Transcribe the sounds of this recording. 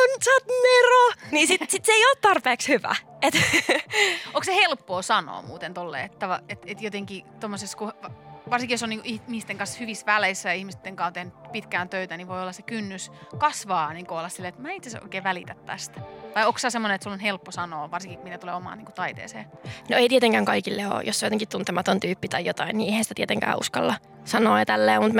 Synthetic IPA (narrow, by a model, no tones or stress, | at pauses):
onyt̪sɑːt̪neronisisit̪seioːt̪t̪ɑrpeːkshyʋæ̰ | et̪ | oŋksehelpːoːsɑno̰ːmuːt̪ent̪olːḛːet̪ːæʋɑet̪et̪jot̪eŋkit̪omːoseskuʋɑrsiŋkijosoniŋkuʔihmist̪eŋkɑnshyʋisʋælesːæjɑihmist̪ːeŋkɑːnt̪ehnypit̪kæːnt̪øyt̪æniʋoiolːɑsekynːyskɑsʋɑːniːŋkuolːɑssilːeet̪mæːit̪seso̰ikeːʋælḭt̪æt̪t̪æ̰st̪ʋɑiokssɑːsemːonenet̪sulonhelpːosɑnoːʋɑrsiŋkimit̪æt̪ulḛːomɑ̰ːniːŋkut̪ɑit̪ḛːsḛːnoeit̪iet̪eŋkæːŋkɑikilːeo̰josːojot̪eŋkit̪t̪unt̪ɛmɑt̪ont̪yːpːit̪ɑjjot̪ɑinːiːʔeˑihænsit̪æt̪iet̪eŋkæ̰ːʔṵskɑlːɑ | sɑnoːɑt̪ælːeːmut̪m